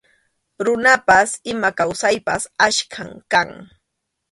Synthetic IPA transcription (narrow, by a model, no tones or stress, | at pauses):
ɾʊnapasɪmakawsajpasaʃkʰaŋkaŋ